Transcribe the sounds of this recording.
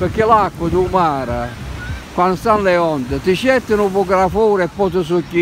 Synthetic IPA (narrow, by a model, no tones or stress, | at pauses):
pɪɾkːɪlakːwəd̪umaːɾakwanst̪anlɛɔnd̪ət̪ɪʃɛt̪ːɪnupuɡɾafuːɾɛpːɔt̪əs̬ʊcːi